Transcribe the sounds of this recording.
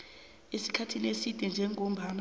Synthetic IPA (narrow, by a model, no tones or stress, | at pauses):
esi̥kʰatʰinesid̥ʱɛnd͡ʒʱɛŋʱom̩bʱan